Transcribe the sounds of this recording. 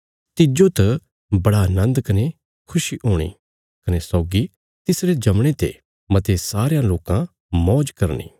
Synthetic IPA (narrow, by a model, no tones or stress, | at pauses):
t̪ɪd͡ʒot̪ɐ | bɐɽanɐ̃nd̪kɐne | kʰʊʃiɦoːɽ̃ḭː | kɐnesɔːɡi | t̪ɪsɾed͡ʒɐmɽ̃et̪ḛ | mɐt̪esaːɾejãloːkã | mɔːd͡ʒkɐɾnḭː